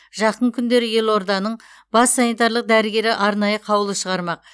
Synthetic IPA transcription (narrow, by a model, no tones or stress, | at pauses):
ʒɑqəɴkʲʰʏnd̪e̞ɾɪje̞lˠo̞ɾd̪ɑnəɴ | bɑsːɑnijt̪ɑɾlˠəq̚d̪æɾɪɡʲe̞ɾɪʔɑɾnɑjəqʰɑwəlˠəʃəʁɑɾmɑq̚